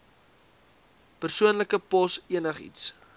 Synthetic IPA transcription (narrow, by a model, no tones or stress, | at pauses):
pərsuənləkəpɔsiənəχḭts